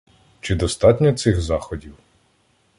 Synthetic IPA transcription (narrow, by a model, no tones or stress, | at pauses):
t͡ʃɪd̪ɔst̪ɑtʲnʲɔt̪sɪxzɑxɔdʲiw